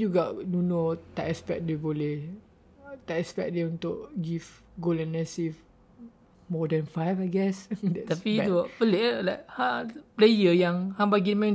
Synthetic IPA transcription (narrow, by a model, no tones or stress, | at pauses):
juɡɔʔnunot̪aʔɛspɛ̰k̚deboleh | t̪aɛspɛk̚deũnt̪ʊʔɡif | ɡolɛ̃nːɛsif | mɔdɛ̃nfajfajɡɛsdɛtt̪apiɛupəleʔlakhaplejəjaŋhãmbaɡimɛ̃